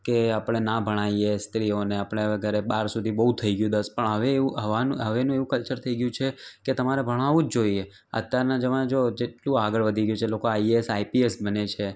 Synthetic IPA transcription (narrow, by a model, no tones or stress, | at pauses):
keapɽ̃enabʱəɽ̃aijest̪ɾioneapəɽ̃eʋeɡʱəɾebaɾsud̪ʱibəɦut̪ʰəiɡjũd̪əspəɳəʋeuɦəʋanuɦəʋenũeʋũkəlt͡ʃəɾt̪ʰəiɡjũt͡ʃʰeket̪əmaɾebʱəɽ̃aʋũd͡ʒd͡ʒoie | ə̰t̪jaɾnad͡ʒəʋãd͡ʒod͡ʒeʈlũaɡəɭʋəd̪ʱiɡjũt͡ʃʰelokoaiesaipiesbənet͡ʃʰe